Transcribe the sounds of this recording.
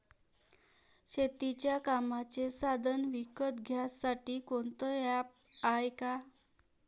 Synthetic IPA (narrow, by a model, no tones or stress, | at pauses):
ɕet̪it͡ɕjakamat͡sesad̪ʱənʋikət̪ɡʱjasːaʈiːkoɳt̪əjap | ajka